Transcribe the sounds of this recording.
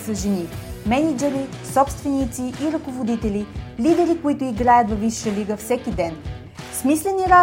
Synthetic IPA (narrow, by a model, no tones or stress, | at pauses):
səʒɛnimɛnid͡ʒɛɾisɔpst̪vɛnit̪siʔːɾɐkovod̪it̪ɛlʲilid̪ɛɾikoit̪ʊiɡɾajət̪vɐviʃːəliɡəfsɛkid̪ɛn | smislɛniɾa